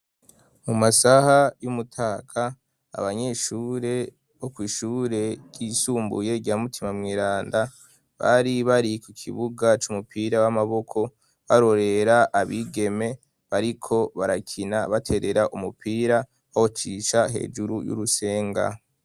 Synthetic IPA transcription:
mumasahajumutʰaːkʰa̰ː | βaɲe̞ʃuːɾe̞ | βo̞kwiːʃuːɾe̞ɡ̥iːsuːmbṵje̞ɟamutʰimamŋiːɾaːnda | βa̰ɾiβaɾikukʰḭβuɡat͡ʃumupiːɾawamaβo̞kʰo̞ | βaɾo̞ɾe̞ɾaʔːβiɡe̞me̞ | βaɾikʰo̞βaɾakʰinaβatʰe̞ɾe̞ɾaʔumupiːɾa | ohot͡ʃiʃaɦe̞̰ːʒuɾujṵɾuse̞ːŋɡa̰

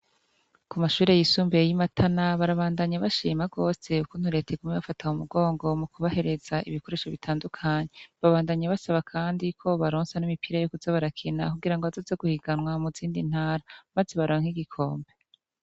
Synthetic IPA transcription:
kumaʃuːɾe̞jisuːmbejimatʰanaβaɾaβaːndaɲaβaʃiːmaɡo̞ːse̞ukun̥huɾe̞teɡumeβafataumuɡo̞ːŋɡo̞mukuβahe̞ɾe̞z̥aʔḭβiko̞ɾeʃoβitʰaːndukʰaɲeβaβaːndaɲaβasaβakʰaːndikʰo̞βaɾoːnsanimipiːɾajokuzaβaɾakʰina̰kuɡiɾaŋɡoβazo̞ːzeɡuhiɡanwamuziːndin̥haːɾamazeβaɾoːŋhiɡikʰo̞ːmbe̞

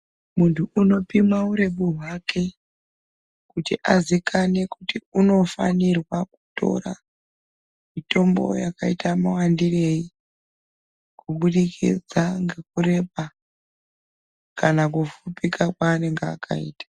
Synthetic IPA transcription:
muntʰuːno̞pimauɾe̞ɓuɦwakʰe̞ | kutiʔazikʰane̞kutiuno̞fa̰nirwaku̥to̞̰ɾa̰ | mito̞mbo̞̰jakaitamawandire̞i | kuɓuɗikʰḭd͡zaŋɡe̞k̚ure̞pa | kanak̬ufupikakwaːne̞ŋɡea̰kʰa̰iːtḁ

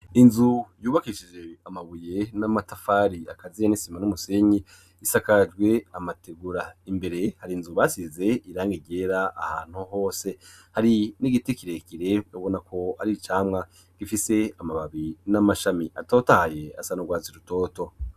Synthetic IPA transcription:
inzujuːβakiʃid͡ʒe̞amaβuje̞namatafaːɾiakazijanisimanumuse̞ɲi | isakad͡ʒɡwe̞amatʰeɡuɾaimbe̞ɾe̞haɾinzuβaːsize̞iɾaːŋɡiɟe̞ɾaaha̰ːn̥huɦo̞ːse̞ | haɾiniɡitekiɾekiɾe̞oβo̞nakʰo̞aɾit͡ʃaːmŋa | ɡ̥ifise̞amaβaβinamaʃamiʔa̰totahaje̞a̰sanoɡwaːziɾuto̞ːto̞

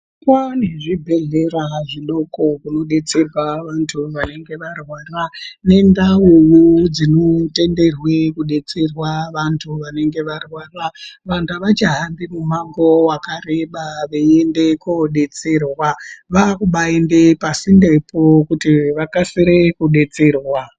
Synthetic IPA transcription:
paneʐibʱe̞ɮe̞ɾaʐiɗo̞ko̞kuno̞ɗe̞t͡se̞rwaʋantʰuʋane̞ŋɡe̞ʋarwaːrane̞ndauwud͡zinote̞nde̞rwe̞kuɗe̞t͡se̞rwaʋantʰuʋane̞ŋɡe̞ʋarwaraʋantʰuaʋat͡ʃaɦanbimumaŋɡo̞wakareɓaʋeendekoɗe̞t͡serwaʋakuɓaendepasinde̞pʰokutiʋakasiɾekuɗe̞t͡serwa

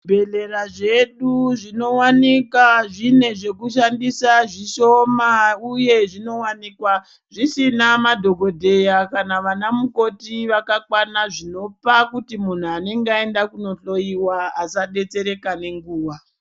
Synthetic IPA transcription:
bʱeleraʐe̞ɗuʐino̞wanikaʐine̞ʐe̞kuʃandisaʐiʃo̞mauje̞ʐino̞wanikwa | ʐisinamadʱo̞ɡʱo̞dʱe̞jakanaʋanamuko̞tiʋakakwanaʐino̞pakutimun̤uane̞ŋɡeaendakuno̞ɬo̞iwaːsaɗe̞t͡se̞ɾe̞kane̞ŋɡuːwa

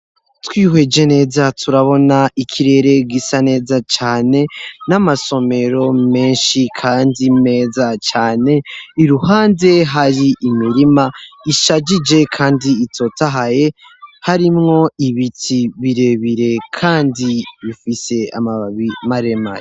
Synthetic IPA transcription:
twiːɦwe̞d͡ʒe̞ne̞ːzatʰuɾaβo̞naikʰiɾe̞ɾe̞ɡisane̞ːzat͡ʃaːne̞namaso̞me̞ɾo̞me̞ːnʃikʰaːndime̞ːzat͡ʃaːne̞iɾuhaːnde̞ɦaɾiʔːmiɾimaiʃad͡ʒid͡ʒe̞kʰaːndiːtʰo̞taɦaje̞ | haɾimŋo̞iβitʰiβiɾe̞βiɾe̞kʰaːndiβifise̞a̰maβimaɾema̰ɾe

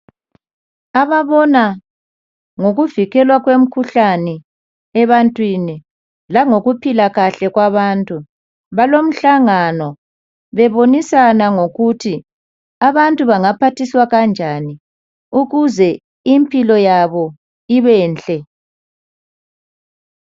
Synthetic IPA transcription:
aβaβɔna | ŋoɣuviɣɛlwaɣwem̩kʰuɬanɛ | ɛβantʼwini | laŋoɣupʰilaɣaɬɛɣwaβantʼu | βalom̩ɬaŋanɔ | βɛβonisanaŋoɣutʰi | aβantʼuβaŋapʰatʰiswaɣand͡ʒʱani | uɣuzɛ | impʼilɔjaβɔ | iβɛːnt͡ɬʼɛ

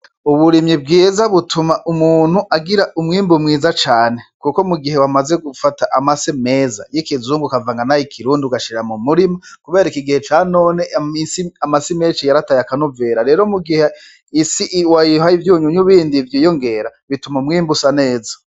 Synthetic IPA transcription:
uβuɾimɲib̚ɡiːzaβutʰumaʔumuːn̥huʔaɡiɾaʔumŋiːmbumŋiːzat͡ʃaːne̞kukomuɡiɦe̞wamaze̞ɡufataʔamaseme̞ːza̰jekizuːŋɡukavaŋɡanajikʰiɾuːndiuɡaʃiɾeɾamumuɾimakuβe̞ːɾikiɡihet͡ʃano̞ːnemisiamasimeːt͡ʃijaɾatajakanuveɾaɾe̞ːɾomuɡihe | isiʔwajiɦaivjuːɲuɲuβiːndivjiːjo̞ŋɡe̞ɾaβitumaumŋiːmbusane̞ːza

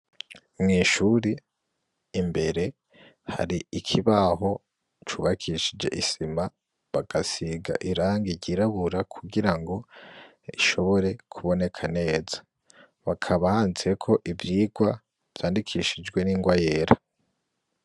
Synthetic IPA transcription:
mŋiːʃuːɾiː | mbe̞ɾe̞ | ha̰ɾiikʰiβaɦo̞ | t͡ʃuːβakʰiʃid͡ʒe̞̰ʔisima | βaɡ̥asiɡa̰ʔiɾaːŋɡiɾɟiɾaβuɾakʰuɡiɾaŋɡo̞ | iʃo̞βo̞ɾe̞kʰuβo̞ne̞kʰane̞ːzḁ | βakʰaβahaːnziekʰo̞ʔivjiːɡwa | v̥jaːndikʰiʃid͡ʒɡwe̞niːŋɡwaje̞ːɾa

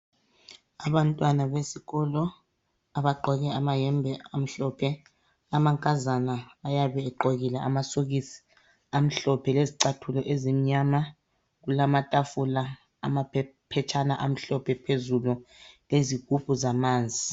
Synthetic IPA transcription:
aβantʼwanaβesiɣɔlɔ | aβaɡ͡ǃʱɔɣɛamajɛmbʱɛam̩ɬɔpʰɛ | amaŋkʼazanaːjaβɛːǃoɣilɛʔa̰masoɣisi̥ | am̩ɬɔpʰɛleziǀatʰulɔʔezim̩ɲama | ɣulamatʼafula | a̰mapʰɛt͡ʃʰanaʔam̩ɬɔpʰɛpʰezululeziɣ̥ʱupʼuzamaːnd͡zʱi

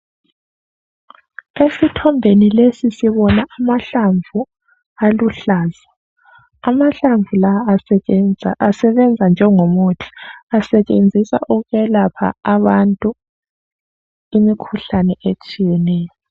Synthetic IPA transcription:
esitʰɔmbʱenilesisiβɔnaʔamaɬaɱvʱu | aluɬaːza | amaɬaɱvʱula | asɛβɛnd͡zʱand͡ʒʱɛŋomotʰi̥asɛt͡ʃʼend͡zʱisa̰ʔuɣuɣɛlapʰa̰aβantʼu | imikʰuɬanɛʔet͡ʃʼijɛnɛːjɔ

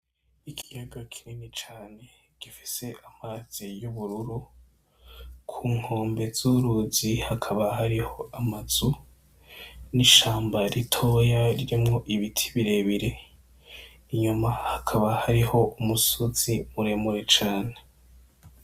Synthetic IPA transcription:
ikʰi̥jaɡakʰiɾinit͡ʃaːne̞ | ɡ̥ifi̥se̞ʔamaz̥ijuβuɾuɾu | kʰuːŋ̥ho̞ːmbe̞z̥uɾuːzihakʰaβahaɾiho̞amaz̥u | niʃaːmbaɾitʰo̞ːjaɾiɾimŋo̞ʔiβitʰi̥βiɾe̞βiɾe̞ | iɲumahakʰaβahaɾiho̞umusoz̥imuɾe̞muɾe̞t͡ʃaːne

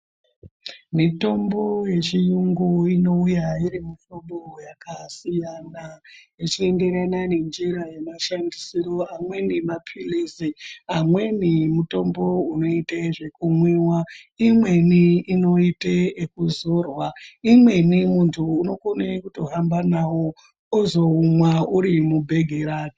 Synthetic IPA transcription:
mito̞mbo̞je̞t͡ʃijuŋɡuino̞ujaiɾimitobojakasijanajet͡ʃie̞nde̞ɾanane̞nd͡ʒiɾaje̞maʃandisiɾo̞amwe̞nimapʰileziamwe̞nimuto̞mbo̞uno̞itaʐe̞kumwewaimwe̞niino̞iteekuzo̞ːrwaimwe̞nimuntʰuːno̞konekuto̞ɦambanawo̞ | ozo̞umwauɾimubʱe̞ɡʱeɾaːni

